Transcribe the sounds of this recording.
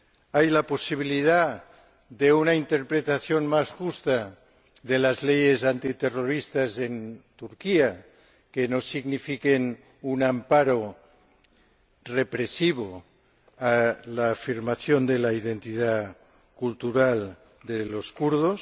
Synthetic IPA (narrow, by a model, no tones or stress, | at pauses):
ajlaposiβ̞iliða | ðeunaint̪eɾpɾet̪aθjonmasʝust̪a | ðelazlejezant̪it̪eroɾist̪azent̪uɾkia | kenosiɣnifiken | unampaɾo | repɾesiβ̞o | alaːfiɾmaθjond̪elaiðent̪iða | kult̪uɾal | d̪eloskuɾðos